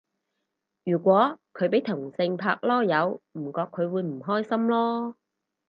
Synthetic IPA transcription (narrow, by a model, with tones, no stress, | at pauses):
jyː˨˩kʷɔː˨˥kʰɵ˨˧ɥp̬e˨˥jt̪ʰʊ˨˩ŋsɪ˧ŋpʰaː˧k̚lɔː˥jɐ˨˧wm̩˨˩kɔː˧kʰːɵ˨˧ɥwuː˨˧jm̩˨˩ɦɔː˥jsɐ˥mlɔː˥